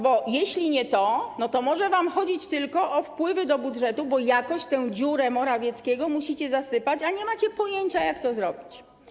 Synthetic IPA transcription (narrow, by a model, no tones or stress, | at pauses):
bɔjeɕlʲiɲɛt̪ɔnɔt̪ɔmɔʐɛvamxɔd͡ʑit͡ɕt̪ɘlkɔʔɔfpwɘvɘd̪ɔbudʐɛt̪ubɔjakɔɕt͡ɕt̪ɛwd͡ʑuɾɛmɔɾavʲjɛt̪skʲɛɡɔmuɕit͡ɕɛzasɘpat͡ɕaɲɛmat͡ɕɛpɔjeɲt͡ɕajakt̪ɔzɾɔbʲit͡ɕ